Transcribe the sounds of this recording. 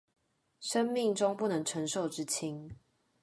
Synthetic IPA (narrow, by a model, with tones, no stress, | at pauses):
ʂə˥˦ŋmi˥˨ŋʈ͡ʂʊ˦ŋpu˥˨nə˨˦ŋʈ͡ʂʰə˧˥ŋʂo˥˨ʊʈ͡ʂɻ̩˦t͡ɕʰi˦ŋ